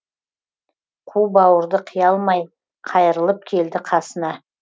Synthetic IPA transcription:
qʰubɑwəɾd̪əqʰəjɑlˠmɑj | qʰɑjəɾəlˠəp̚kʲʰe̞ld̪ɪqʰɑsənɑ

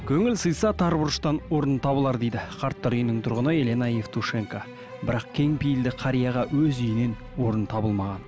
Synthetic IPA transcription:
kʲʰɵŋɪlsəjsɑt̪ʰɑɾbʊɾʃt̪ɑnwo̞ɾənt̪ʰɑβəlˠɑɾd̪e̞jd̪ɪqʰɑɾt̪ːɑɾʏjɪnɪŋt̪ʰʊɾʁənəe̞lenɑjeft̪ʰuʂe̞ŋka | bɪɾɑqkʲʰe̞ŋpijɪld̪ɪqʰɑɾijɑʁɑwɵzʏjɪne̞n | wo̞ɾənt̪ʰɑbəlˠmɑʁɑn

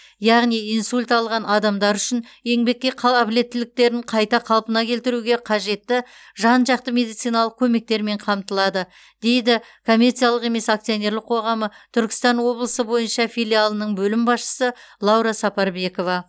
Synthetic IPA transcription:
jɑʁnijijnsulʲt̪ɑlˠʁɑnɑd̪ɑmd̪ɑɾʏʃɪne̞ŋbe̞kʲːe̞qʰːble̞t̪ːɪlɪk̚t̪e̞ɾɪɴqʰɑjt̪ɑqʰɑlˠpənɑkʲʰe̞lt̪ɪɾuɡʲe̞qʰɑʒe̞t̪ːɪʒɑnʒɑqt̪əme̞d̪ijt̪sijnɑlˠəq̚kʲʰɵme̞k̚t̪e̞ɾme̞ɴqʰɑmt̪əlˠɑd̪ə | d̪̥e̞jd̪ɪ | kʰo̞mʲːe̞rt̪sijalˠəqe̞me̞sak̚t̪sijo̞ne̞ɾlɪq̚ʰo̞ʁɑmət̪ʰʏɾkʲɪ̥st̪ɑnwo̞blˠəsəbo̞jənʃɑfijlʲialˠənəɴbɵlɪmbɑsʃə̥səlˠɑwɾɑsɑpɑɾbe̞ko̞vɑ

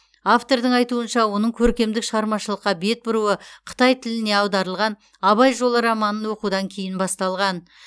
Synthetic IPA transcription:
aft̪o̞ɾd̪əɴɑjt̪uənʃɑwo̞nəɴkʲʰɵɾkʲe̞md̪ɪkʃəʁɑɾmɑʃəlˠəqːɑbe̞t̪̚bʊɾuəqʰə̥t̪ɑjt̪ʰɪlɪne̞ɑwd̪ɑɾəlˠʁɑn | ɑβɑjʒo̞lˠəɾɑmɑnːənwo̞qud̪ɑŋkʲʰe̞jɪnbɑst̪ɑlˠʁɑn

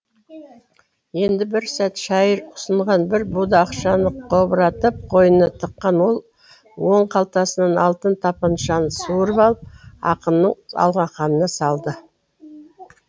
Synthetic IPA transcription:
je̞nd̪ɪbɪɾsæt̪ʃɑjəɾʊ̥səɴʁɑnbɪɾbud̪ɑːqʃɑnəqʰobɾɑt̪əp̚qʰo̞jənət̪ʰəqːɑnwo̞lˠ | wo̞ɴqʰɑlˠt̪ɑsənɑnɑlˠt̪ənt̪ʰɑpɑnʃɑnəsuɾəpɑlˠəp̚ɑ̰qənːəɴɑ̰lˠʁɑqɑnənɑsɑlˠd̪ə

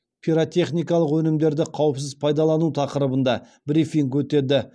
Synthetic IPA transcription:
pʰiɾot̪ʲe̞χnijkɑlˠəqwɵnɪmd̪e̞ɾd̪ɪqʰɑwəps̬ɪzpʰɑjd̪ɑlˠɑnut̪ʰɑqəɾəbənd̪ɑ | bɾifiŋkwɵt̪e̞d̪ɪ

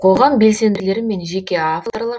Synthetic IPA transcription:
qʰo̞lˠʁɑmbe̞lse̞nd̪ɪle̞ɾɪme̞nʒe̞kʲe̞aft̪orlˠɑɾ

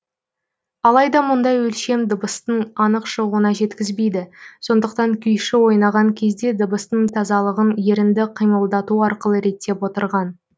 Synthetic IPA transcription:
ɑlˠɑjd̪ɑmʊnd̪ɑjwɵlʃe̞md̪əbəst̪əɴɑnəqʃəʁuənɑʒe̞t̪kʲɪzbe̞jd̪ɪso̞nd̪əq̚t̪ɑŋkʲʰʏjʃɪwo̞jnɑʁɑŋkʲʰe̞zd̪e̞d̪əbəst̪əɴt̪ʰɑzɑlˠəʁənje̞ɾɪnd̪ɪqʰijməlˠd̪ɑt̪uɑɾqəlˠəɾe̞t̪ːe̞pwo̞t̪əɾʁɑn

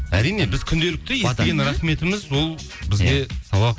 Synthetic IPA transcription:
æɾijne̞bɪzkʲʰʏnd̪e̞lɪk̚t̪ɪjest̪ɡʲenɾɑχme̞t̪ɪmɪzwo̞lˠ | bɪzɡʲe̞sɑwɑ

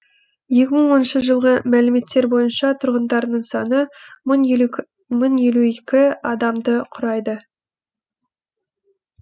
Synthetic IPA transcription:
je̞kʲɪməɴwo̞nənʃəʒəlˠʁəmælɪme̞t̪ːe̞ɾbo̞jənʃɑt̪ʰʊɾʁənd̪ɑɾnəɴsɑnə | mənje̞luekʲɪɑd̪ɑmd̪əqʰʊɾɑjd̪ə

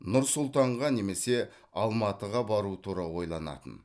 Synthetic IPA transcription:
nʊɾsʊlˠt̪ɑɴʁɑne̞me̞se̞ | ɑlˠmɑt̪əʁɑbɑɾuət̪ʰuɾɑlˠwo̞jlˠɑnɑ̰t̪ən

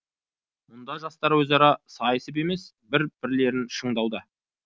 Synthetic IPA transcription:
mʊnd̪ɑʒɑst̪ɑɾwɵzɑɾɑsɑjəsəp̬e̞me̞s | bɪɾb̥ɪɾle̞ɾɪnʃəɴd̪ɑwd̪ə

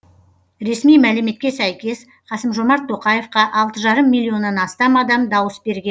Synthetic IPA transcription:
ɾe̞smijmælɪme̞t̪̚kʲe̞sæjkʲe̞s | χɑsəmʒo̞mɑɾt̪ʰːo̞qɑje̞fqɑʔɑlˠt̪əʒɑɾəmːilʲːio̞nːɑnɑst̪ɑmɑd̪ɑmd̪ɑwəsbe̞ɾɡʲen

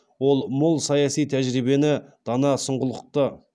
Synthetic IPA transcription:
wo̞lˠmʊlˠsɑjɑsijt̪ʰæʒɾibe̞nɪd̪̥ɑnɑsəɴʁəlˠəq̚t̪ə

